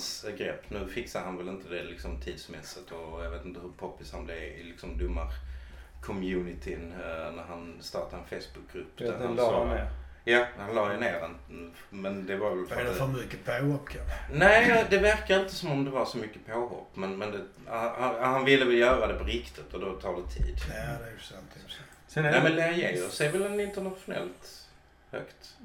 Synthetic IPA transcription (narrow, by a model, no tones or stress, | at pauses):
sɡɾɛpːnʉ̟ːfɪksad̪əɦanvɛlɪnt̪əd̪ɛlɪksɔmt̪ʰiːd̪smɛsːət̪ɔjɑveːt̪ɪnt̪əhɵɾpʰɔpːɪshanblɛvɪlɪksɔmd̪ʊmːaɾkʰɔmjʉːnɪt̪ʰɪnnæɾɦanst̪ɑːʈad̪ɛnfejst̪̚b̥ɵk̚ːɡɾɵpːd̪æɾa | jahanlɑːjəneːd̪ɛn | mɛnd̪ɛvaɾvɛlfdfmʏkːəpʰaɔpːkʰanæːd̪ɛvæɾkaɾɪnt̪əsɔmɔmd̪ɛvaɾʂɔmʏkːə̥pʰoːɦɔ̰pːmɛnmɛnd̪ɛ | hanvɪlːəvɛljœːɾad̪ɛpʰɔɾɪkt̪ɪt̪ːɔd̪ot̪ʰɑːɖɛt̪ʰḭːd̪d̪ɛsant̪ | ɛmɛnlɛɾjeːəsɛvɛlɛnɪnt̪ənat̪ɧʊnɛ̰lt̪ | hœ̰kt̪